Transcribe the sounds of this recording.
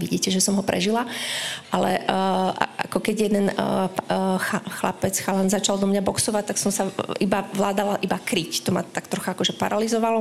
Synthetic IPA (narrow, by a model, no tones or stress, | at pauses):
ʋiɟiːcɛʒɛsɔmɦɔpɾɛ̰ʒilaʔalɛ̰a̰a̰kɔkɛɟjɛd̪ɛn | xaxla̰pɛt͡sxalanzat͡ʃald̪ɔmɲabɔksɔʋac̚t̪aksɔmsaibaʋlaːd̪alaʔibakɾict̪ɔma̰t̪akt̪ɾɔxaakɔʒɛpa̰ɾalizɔʋalɔ